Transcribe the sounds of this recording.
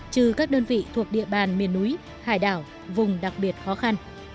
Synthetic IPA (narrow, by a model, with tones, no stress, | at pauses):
t͡ɕɨ˧kaː˦˥k̚ɗəː˧nvḭ˧˨t̪ʰu˨˩ək̚ɗḭ˧˨əɓaː˨˩nmi˨˩ənːu˨˦j | haː˧˩jɗaː˧˩w | vʊ˨˩ŋ͡mɗa˨˩k̚ɓi˨˩ət̚xɔ˨˦xa˧n